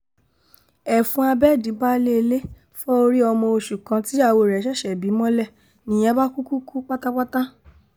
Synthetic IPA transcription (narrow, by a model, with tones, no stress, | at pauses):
ɛ˨fũ˨˦a˧bɛ˦˨dĩ˨˦ba˦le˦e˧le˦ | fɔ˦o˧ɾi˦ɔ˧mɔ̃˧o˧ʃu˨kã˧ti˦a˦˨wo˧˨ɾɛ˨ʃɛ˦˨ʃɛ˨bi˨˦mɔ̃˦lɛ˦˨ | nĩ˨j̃ɛ̃˧˦ba˦ku˦ku˦ku˦k͡pa˦ta˦k͡pa˦ta˦